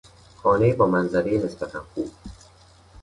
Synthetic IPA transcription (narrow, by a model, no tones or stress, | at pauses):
xɒːnejibɒːmænzæɾejenesbæt̪ʰænxuːb̥̚